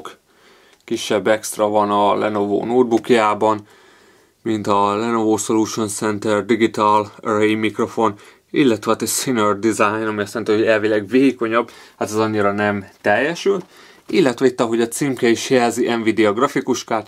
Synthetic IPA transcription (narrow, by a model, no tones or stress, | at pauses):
k | kiʃːɛbːɛkst̪rɒvɒnɒlɛnovo̰ːnoːd̪̚bukjaːbɒn | mint̪ɒlɛnovoːso̞luːʃo̞nsɛnt̪ɛrd̪iɡit̪alɾeimikro̞fo̞n | ilːɛt̪ʋɛɒt̪ɛsinørd̪izajnɒmiɒst̪ant̪iho̞ɟɛlvilɛɡveːko̞ɲɒbhat̪ɛzɒɲːiɾɒnɛmt̪ɛjːɛʃylt̪ | ilːɛt̪ʋɛit̪ːɒɦo̞ɟɒt̪simkɛiʃhɛlziʔɛɱvid̪ɛɒɡrɒfikuʃkaːl